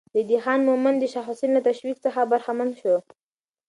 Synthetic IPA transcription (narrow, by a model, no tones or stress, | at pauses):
d̪əd̪ixɑnmʊmand̪əʃaxʊsinlat̪aʃwikt͡səxabaɾxamand̪ʃo